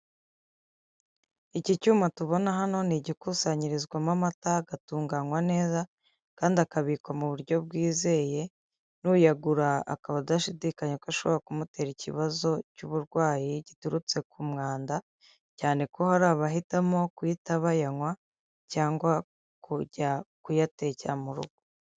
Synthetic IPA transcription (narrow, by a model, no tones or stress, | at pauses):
icicuːmatuβo̞naɦano̞niɟikuːsaɲiɾizɡwamamataɡatuːŋɡaŋwane̞ːza | kaːndiakaβikwamuβuɾɟo̞b̚ɡiːze̞ːje̞ | nujaɡuɾa̰ːkaβadaʃidiːkaɲekaʃo̞βoɾakumute̞ːɾicḭβazo̞cuβuɾɡwaːjiɟ̥ituɾut͡se̞kʰumŋaːnda | caːneko̞haɾaːβaɦitamo̞kwitaβajaŋwa | caːŋɡwa | kuɟakujate̞camuɾṵɡ̥u̥